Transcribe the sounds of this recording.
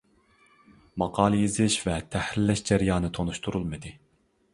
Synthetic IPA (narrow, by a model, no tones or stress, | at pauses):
mɑqʰɑːlˠɨjizɪʃvɛt̪ʰɛhɾɪlːɛʃd͡ʒɛɾijɑːnɨt̪ʰonuʃt̪ʰuɾulˠmɨd̪ɨ